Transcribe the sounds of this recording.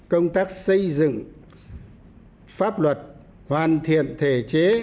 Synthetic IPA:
kə˧wŋ͡mt̪aː˦˥k̚sə˧jzɨ̰˧˨ŋ | faː˦˥p̚lwə˨˩t̚ | hwaː˨˩nt̪ʰḭ˧˨ənt̪ʰe˧˩t͡ɕe˨˦

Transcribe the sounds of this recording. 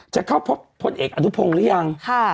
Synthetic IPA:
t͡ɕa˨˩kʰa˥˩wpʰo˦˥p̚ʰːo˧nʔeː˨˩k̚ʔa˧nu˦˥pʰo˧ŋɾɯ˦˥ja˧ŋkʰa˥˩

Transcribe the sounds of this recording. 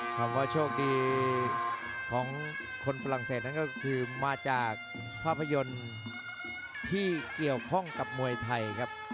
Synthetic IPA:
t̪ʰaː˩˦mwaː˥˩t͡ɕʰoː˥˩k̚diː˧ | kʰɔː˩˦ŋ | kʰo˧nfa˧ɾa˨˩ŋseː˨˩t̪̚na˥˩kɔː˥˩kʰɯː˧maː˧t͡ɕaː˨˩k̚ | pʰaː˥˩pʰːa˧jo˧n | t̪ʰiː˥˩ki˨˩əwkʰɔ˥˩ŋka˨˩p̚mu˧əjt̪ʰa˧jkʰa˦˥p̚

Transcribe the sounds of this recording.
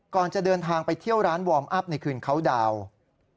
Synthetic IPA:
kɔː˨˩nt͡ɕa˨˩dɤː˧nt̪ʰaː˧ŋpa˧jt̪ʰi˥˩əwɾaː˦˥nwɔː˧mʔa˦˥˩p̚na˧jkʰɯː˨˩nkʰa˦˥wdaː˧w

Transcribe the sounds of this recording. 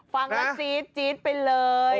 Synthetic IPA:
fa˧ŋʔa˦˧siː˦˥t̪̚t͡ɕiː˦˥t̪̚pa˧jlɤː˧j

